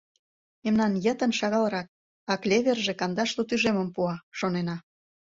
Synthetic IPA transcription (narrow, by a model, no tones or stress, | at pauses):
emnɑnjə̆t̪ə̆nʃɑɣɑlɾɑk̚ | ɑklʲeβerʒekɑnd̪ɑʃt̪ot̪yʒemə̆mpuɑʃonenɑ